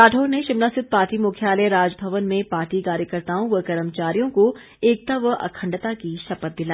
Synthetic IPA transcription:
aːʈʰoːɾneʃɪmnasɪt̪̚paːʈimuːkʰjaːləɾaːd͡ʒbʱɐʋənmẽpaːɾʈikaːɾjəkəɾt̪aːõʋəkɐɾəmt͡ʃaːɾijõko | eːk̚t̪aʋʔɐ̰kʰə̃ɳɖt̪akiʃɐpət̪̚d̪ɪlaː

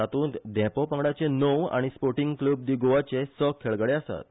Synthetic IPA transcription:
at̪ũːnt̪d̪ɛ̃popãɡɽat͡ɕenoʋa̰ɽ̃ispoɾʈiŋɡklub̚d̪iɡoʋat͡ɕesəkʰːeɭɡəɽeasa̰t̪

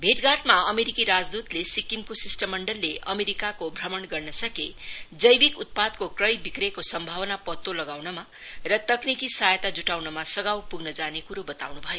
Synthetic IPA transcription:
bʱeʈɡaʈmaʌmeɾikiɾad͡zd̪ut̪lesikimkosisʈʌmːʌɳɖʌlːeʔʌmeɾikakobʱrʌmʌɳɡʌrnʌsʌked͡zʌjbikut̪̚pad̪̚kokrʌjbikɾekosʌmbʱawʌnapʌt̪ːolʌɡawnʌma | rʌt̪ʌknikisajʌt̪ad͡zuʈawnʌmasʌɡawpuɡnʌd͡zanekuɾobʌt̪a̰wnubʱʌjo

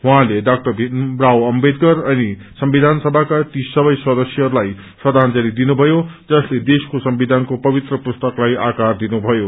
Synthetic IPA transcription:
ɦuɦãleɖak̚ʈʌrbʱinrawʌmbed̪ɡʌrʌni | sʌmbid̪ʱansʌbʱakat̪isʌbʌjswʌd̪ʌsjʌɦʌɾulaj | sʌd̪ʱand͡zaɾid̪inubʱʌjod͡zʌsled̪eskosʌmbid̪ʱankopʌbit̪rʌpust̪ʌklajakard̪inubʱʌjo

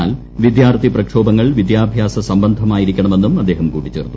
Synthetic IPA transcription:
aːl | ʋid̪jaːrt̪iprɐkʂo̞ːbɐŋːɐɭʋid̪jaːbʱjaːsɐsɐmbɐnd̪ʱɐmaːjiɾikʲːɐɳɐme̞nːumɐd̪ːe̞ːɦɐmkuːʈːit͡ɕːe̞̰ːrt̪ːu

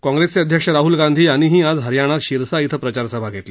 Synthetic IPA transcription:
kɔ̃ŋɡɾest͡seəd̪ʱjəkʂəɾaɦulɡand̪ʱiːaɽ̃iɦiːad͡zɦəɾjaɽ̃at̪ɕiɾsait̪ʰəpɾət͡ɕaɾsəbʱaɡʱet̪li

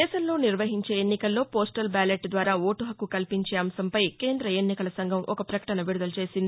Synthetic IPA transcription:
ɛːʃɐmlo̞ːniɾʋɐɦiɲt͡ʃe̞ːenːikɐlːo̞ːpoːsʈɐlbaːleʈd̪ʋaːɾaːoːʈuɦɐkukɐlpiɲt͡ʃeːɐmsɐmpɐjke̞ːnd̪ɾɐenːikɐlɐsɐŋɡʱɐmʔɔkɐpɾɐkɐ̥ʈɐnɐʋiɾud̪ɐlut͡ʃe̞ːsind̪i

